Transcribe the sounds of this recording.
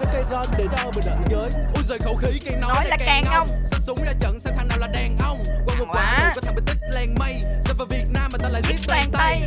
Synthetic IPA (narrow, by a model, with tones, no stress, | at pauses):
kaː˨˦jkaː˨˦jzɔ˧nɗe˨˩˦mə˨˩ɗə̰ː˧˨˩ɲəː˨˦jʔu˧˦zəː˨˩jxə˧˩wxi˨˦ka˧˦n˨˦nɔ˨˦jlaː˨˩ka˨ɛː˨˩˨ŋn˧ə˧wŋ͡msɛ̰˧˥sʊ˨˦ŋ͡mlaː˨˩t͡ɕə̰ː˧˨nsaː˧ŋt̪ʰa˧ŋnaː˨˩wlaː˨˩ɗɛ˨˩ŋʔə˧wŋ͡mkwaː˧˩mo˨˩waː˧˨˩ə˨˩kɔ˨˦t̪ʰːmə˨˩t̪ï̟˦˥lɛ˧ŋma˧jsɛ̰ː˧˩vaː˨˦˩vi˨˩ət̚naː˧mːaː˨˩t̪aː˧la̰ː˧˨zi˦˥t̚t̪ɛ˧˩ŋt̪aa˧˨˧j